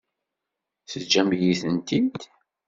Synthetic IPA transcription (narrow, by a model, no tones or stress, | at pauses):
θəd͡ʒːæmjiθənt̪it̪